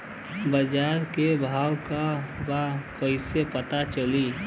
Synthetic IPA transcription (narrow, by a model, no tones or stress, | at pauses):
bəd͡ʒaɾkebʱawkabakəɪsepət̪at͡ʃəli